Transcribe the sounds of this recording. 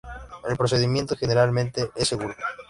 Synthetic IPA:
elpɾos̬e̞ðimje̞nt̪oxeneɾalmẽnt̪eʔesːeɣuɾo

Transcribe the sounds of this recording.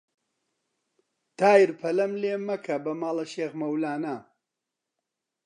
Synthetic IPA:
t̪aːjiɾpʰɐlɐmleːmɐkʰɐbɐmaːlɐʃeːɣmɐwlaːna

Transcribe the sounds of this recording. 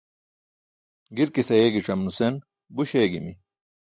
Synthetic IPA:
ɡiɾkisɐjeːɡiʈ͡ʂɐmnusen | buɕeːɡḭmi

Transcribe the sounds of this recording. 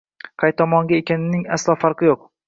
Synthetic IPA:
qʰɑjt̪ʰɒmɒŋɡʲaekʲʰanɪnɪŋaslˠɒːfaɾqɨjoq̚

